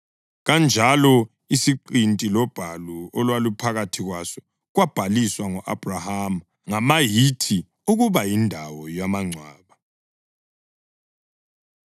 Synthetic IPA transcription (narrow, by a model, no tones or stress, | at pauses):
ɣand͡ʒʱalɔ | isiǃintʼilɔb̥ʱaluɔlwalupʰaɣatʰiɣwasɔ̥ | ɣwab̥ʱaliswaŋɔʔab̥ʱraham | ŋamajitʰi | uɣuβajindʱawɔjamaŋ͡ǀʱwaːβa